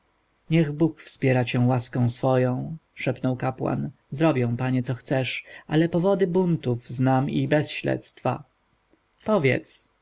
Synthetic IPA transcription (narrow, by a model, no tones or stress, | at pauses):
ɲɛɣbukfspʲjɛɾat͡ɕɛ̃waskɔ̃w̃sfɔjɔ̃w̃ʂɛpnɔwkapwa̰n | zɾɔbʲjɛ̃w̃paɲɛt̪sɔxt̪sɛʂʔalɛpɔvɔd̪ɘbunt̪uvznamibɛsɕlɛ̰t̪st̪fa̰ | pɔvʲjɛ̰t̪s